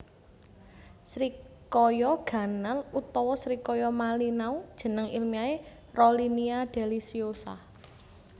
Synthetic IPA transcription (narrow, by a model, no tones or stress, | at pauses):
sɾikɔjɔɡ̥ä̤nalut̪ɔwɔsɾikɔjɔmalinaud̥ʒ̥ə̤nəŋḭlmiae | roliniad̪̥e̤lisiosa̰